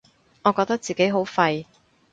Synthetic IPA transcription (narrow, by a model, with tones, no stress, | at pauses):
ŋɔː˨˧kɔː˧k̚t̪k̚t͡siː˨ke˨˥jɦo˨˥wfɐ˧j